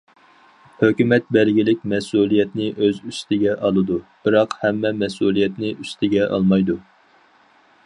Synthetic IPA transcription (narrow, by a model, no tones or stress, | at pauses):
høkʲymɛt̪̚bɛlɡʲilɪkʲmɛsulˠijɛt̪nɪʔøzyst̪ʰɪɡʲɛʔɑlˠɨd̪ub̥ɨɾɑqhɛmːɛmɛsulˠijɛt̪nɪʔyst̪ʰɪɡʲɛʔɑ̰lˠmɑjd̪u